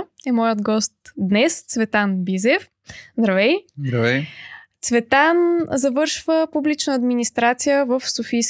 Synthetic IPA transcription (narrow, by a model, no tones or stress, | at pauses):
ɛmɔjəd̪ɡɔst̪d̪nɛst̪svɛt̪anbizɛf | zd̪ɾɐvɛjzd̪ɾɐvɛjt̪svɛt̪anzɐvɤɾʃvəpublit͡ʃnəɐd̪minist̪ɾat̪sijəvəfsofijs